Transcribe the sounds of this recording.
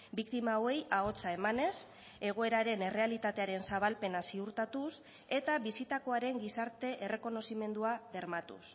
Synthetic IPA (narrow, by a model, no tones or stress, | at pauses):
bikt̪imaoe̞jao̞t͡sae̞mane̞s | e̞ɣ̞o̞e̞ɾaɾe̞ne̞rʔe̞alit̪at̪e̞aɾe̞nsaβalpe̞nasiuɾt̪at̪us | e̞t̪aβisit̪ako̞aɾe̞ŋɡisaɾt̪e̞ʔe̞re̞ko̞no̞sime̞nd̪uaβe̞ɾmat̪ṵs